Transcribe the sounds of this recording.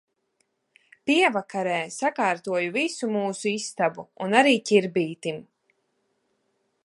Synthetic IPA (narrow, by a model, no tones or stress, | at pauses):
piɛvakaɾɛːsakaːɾt̪uɔjuvisumuːsuist̪abuunaɾiːcʲiɾbiːt̪im